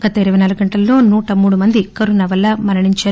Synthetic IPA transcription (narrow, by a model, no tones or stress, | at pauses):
ɡ̥ɐt̪ɐiɾɐʋɐjnaːluɡuɡɐɳʈɐlːo̞ːnuːʈɐmuːɽumɐnd̪ikɐɾunɐʋɐlːɐmɐɾɐɳiɲt͡ʃaːɾ